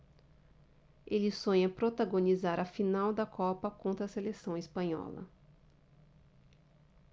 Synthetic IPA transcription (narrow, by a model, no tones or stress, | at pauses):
elɪsõɲɐpɾot̪aɡonizaɾɐfinawd̪ɐkʰɔpɐkõnt̪ɾɐselesɐ̃w̃ɪspɐ̃ɲɔ̰lɐ̰